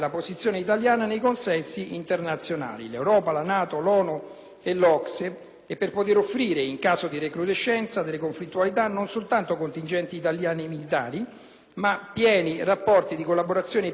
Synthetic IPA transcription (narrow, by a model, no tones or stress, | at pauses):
laposit̪sːjoːneit̪aljaːnanejkonsɛnsiʔint̪ernat̪sːjona̰ːlḭlewɾɔːpalanaːt̪olɔːnu | elɔkse | epːerpot̪eɾofːɾiːɾeiŋkaːzod̪irekɾud̪eʃːɛnt̪sad̪elːekoɱflit̪ːualit̪anːonsolt̪ant̪okont̪ind͡ʒɛnt̪iːt̪aljaːnimilit̪aːɾi | mapːjɛːnirapːɔrt̪id̪ikolːaboɾat̪sːjoːne